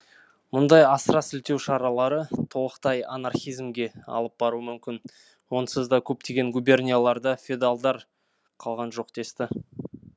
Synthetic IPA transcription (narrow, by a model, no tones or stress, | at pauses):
mʊnd̪ɑjɑsəɾɑsɪlt̪e̞wʃɑɾɑlˠɑɾət̪ʰo̞lˠəqt̪ɑja̰narχʲijzmɡʲe̞ɑ̰lˠəp̚bɑɾuəmʏmkʲɪn | wo̞nəsəzd̪ɑkʲʰɵp̚t̪e̞ɡʲe̞ŋɡubʲe̞rnʲejlˠɑɾd̪ɑfʲied̪alˠd̪ɑɾ | qʰɑlˠʁɑnʒo̞qd̪̥e̞st̪ɪ